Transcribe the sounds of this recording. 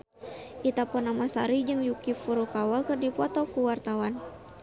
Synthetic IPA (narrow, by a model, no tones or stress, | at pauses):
ʔit̪apɔnamasaɾid͡ʒɨŋjukifuɾukawalkərdipɔt̪ɔkuwart̪awan